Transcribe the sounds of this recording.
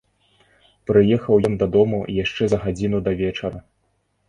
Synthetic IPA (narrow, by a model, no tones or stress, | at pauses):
pɾɨjɛxɐwjɔnd̪ɐd̪ɔmṵjaʂt͡ʂɛzɐɣad͡zʲinud̪ɐvʲɛt͡ʂɐɾɐ